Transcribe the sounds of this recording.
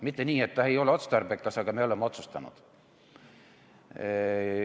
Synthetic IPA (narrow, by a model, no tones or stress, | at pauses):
mit̪ːe̞niːe̞t̪ːɑe̞jo̞leo̞t̪st̪ɑrbekːɑsɑɡ̥ɑme̞o̞lemːeo̞t̪sust̪ɑnṵd̪̥